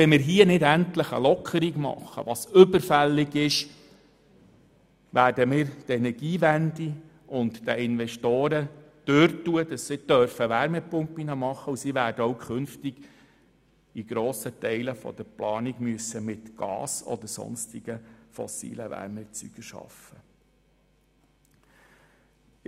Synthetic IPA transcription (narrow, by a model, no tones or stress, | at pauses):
ɛnmɪːɾɦiənɪdæntləχə̰lɔkʰəɾiɡmɑ̰χːə̰ʋɑsʏbəɾfɛlːɪɡɪʃ | ʋæːrdəmɪːɾtɛnɛɾɡ̥iːʋændi | ʊntd̥əɪnʋɛʃtoːɾə | d̥øɾtuəd̥ɑsːid̥œɾfəʋæɾmɛpʊmpːinɑmɑχːəusiʋæːɾdəɔwkʰχʏnftɪɡ̥ | iɡ̥ɾoːsətɛɪləfɔ̰d̥̪əɾplɑːniɡmyəsːəmɪtɡ̥ɑ̰ːsɔ̰d̪əɾsɔ̰nstɪɡ̥əfɔ̰sḭːləʋæ̰ɾmɛt͡sy̰ɡ̥əʃɑ̰fə